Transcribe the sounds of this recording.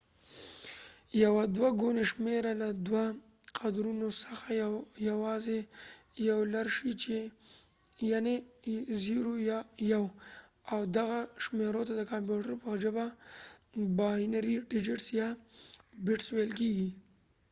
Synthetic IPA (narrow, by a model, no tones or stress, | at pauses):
jawad̪waɡoneʃmeɾalad̪wa | qad̪ɾunosəxajawɑzejawlaɾʃit͡ʃe | janeziɾojjaw | awd̪aɣaʃmeɾot̪ad̪əkampjuʈəɾopəɣʒəba | bɑhinaɾiɖɪd͡ʒɪʈsjɑ | bɪʈswelkeɡi